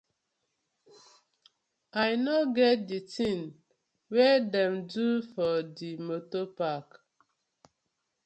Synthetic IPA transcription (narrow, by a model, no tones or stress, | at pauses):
ajnoɡɛt̚ditĩŋ | wɛdɛ̃mdufɔdimotopak